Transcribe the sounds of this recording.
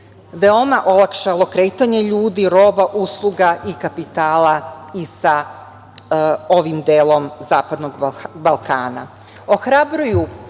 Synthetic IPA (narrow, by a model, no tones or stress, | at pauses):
ʋe̞o̞maʔo̞lakʃalˠo̞kɾe̞ːt̪aɲe̞ʎuːd̪iɾo̞ːbaʔuslˠuɡaʔikapit̪aːlaisa | o̞ʋimd̪eːlˠo̞mzaːpad̪noɡbalˠkaːna̰ | o̞xɾabɾuju